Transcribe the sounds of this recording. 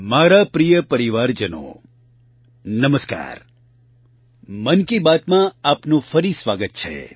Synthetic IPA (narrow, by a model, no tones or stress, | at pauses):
maɾapɾijəpəɾiʋaɾd͡ʒəno̰ | nəməska̰ːɾ | mənkibat̪mãapnũfəɾisʋaɡət̪̚t͡ʃʰḛ